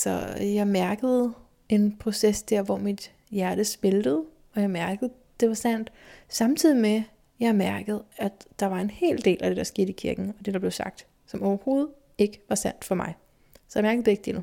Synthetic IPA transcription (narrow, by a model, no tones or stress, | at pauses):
sɒ̽jɑ̈ɪmæɐɡ̥əð̞̩ˠ | e̝npʰʁo̝sesd̥æɐ̰ʋɒmid̥ | jæɐɾ̥əsm̥e̝ld̥əð̞̩ˠ | ɒ̽jɑ̈ɪmæɐɡ̥əð̞̩ˠ | d̥e̝ʋɑ̈sæn̰d̥sɑ̈mt͡sʰið̞̰ˠime | jɑ̈ɪmæɐɡ̥əð̞̩ˠæ̥d̥ɑ̈ʋɑ̈e̝nhe̝̰ːld̥e̝̰ːlʔæd̥e̝d̥ɑ̈sɡ̥e̝ːð̥̩ˠikʰiɐɡ̥n̩ɒ̽d̥e̝d̥ɑ̈ble̝ʊsɑ̈ɡ̥̚d̥ | sɒ̽mɒʊɐho̝ːð̞̩ˠ | e̝ɡ̥əʋɑ̈sæn̰d̥fɒ̽mɑ̈ɪ | sɒjɪmæɐɡ̥ð̩ˠd̥eɡ̥̚d̥enu